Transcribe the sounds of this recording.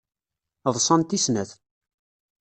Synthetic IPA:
ðˤsˤɑnt̪isnæθ

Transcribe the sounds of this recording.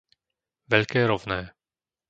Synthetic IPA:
vɛʎkɛːɾɔvnɛː

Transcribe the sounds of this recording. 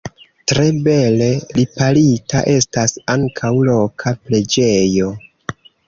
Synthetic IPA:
tɾe̞be̞le̞lipalitaʔe̞stasaŋkʰawlo̞kʰaple̞d͡ʒe̞jo̞

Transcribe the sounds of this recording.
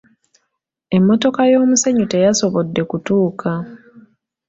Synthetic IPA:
e̞mːo̞to̞kajo̞ːmuseɲute̞jaso̞βodːe̞kutuːkʰa

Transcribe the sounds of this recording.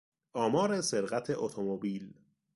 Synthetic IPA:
ʔɒːmɒːɾeseɾɣæt̪ʰeʔot̪ʰomobiːl

